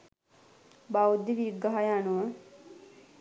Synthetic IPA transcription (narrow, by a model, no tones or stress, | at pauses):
bawud̪iʋiɡaɦajanuʋə